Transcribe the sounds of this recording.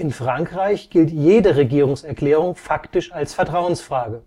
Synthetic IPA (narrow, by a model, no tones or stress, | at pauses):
ʔɪnfʁ̥aŋkʁ̥aɪçɡ̥ɪltjeːdəʁeɡiːʁʊŋsɛɐkl̥ɛːʁ̞ʊŋfaktɪʃalsfɛɐtʁ̥aʊənsfʁ̥aːɡə